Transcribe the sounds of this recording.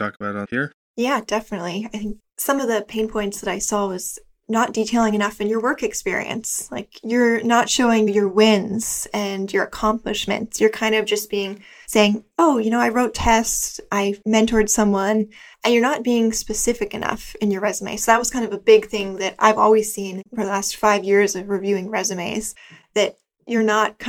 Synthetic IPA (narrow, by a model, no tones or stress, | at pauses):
tʰɔkəbaʊɾt̚hiɹ | jæd̥ɛfənɨtˡliaɪθɪ̃ŋk̚sʌ̃mʌvðɨpʰẽɪ̃npʰɔ̃ɪ̃ntsðəɾaɪsɔwʌz̥ | nət̚d̥itʰeɪlˠɪ̃ŋɨnʌfɨ̃njə˞wɜ˞kɨkspɪ̰ɹḭɨ̰̃nsla̰ɪkjə˞nətʃoʊɪ̃ŋjə˞wɪ̃nz̥ɨ̃njə˞ɨkʰɑ̃mplɨʃmɨ̰̃ntsjə˞kʰãɪ̃ndʌvd͡ʒʌsb̥iɪ̃ŋ | seɪɪ̃ŋoʊjɨñoʊaɪɹoʊtʰɛstʔaɪmɛ̃ntʰəɹd̥sʌ̃mwʌ̃n | ʔɨ̃njə˞nət̚b̥iɪ̃ŋspɨsɪfɨkɨnʌ̰fɨ̃njə˞ɹɛzəmḛɪsoʊðəɨt̚wʌz̥kʰãɪ̃ndʌvəbɪɡ̚θɪ̃ŋðɨɾa̰ɪvɔ̰lˠwiz̥sĩnfə˞ðəlæstfaɪvjɪɹzʌvɹivjʉɪ̃ŋɹɛzɨmeɪz̥ | ðɨt͡ʃ | ə˞nət̚kʰ